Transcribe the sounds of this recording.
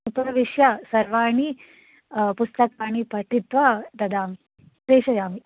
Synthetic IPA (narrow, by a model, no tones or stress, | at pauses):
upɐɾʋiʂjasɐɾʋaːɳi | pust̪ɐkaːɽ̃ipɐʈ̪ʰit̪ʋat̪ɐd̪aːm | t̪eːʃɐjaːmi